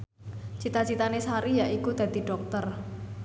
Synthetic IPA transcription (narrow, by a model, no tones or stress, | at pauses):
t͡ʃit̪at͡ʃit̪anesaɾijaʔikud̪̥a̤d̪̥i̤ɖ̥ɔk̚t̪ər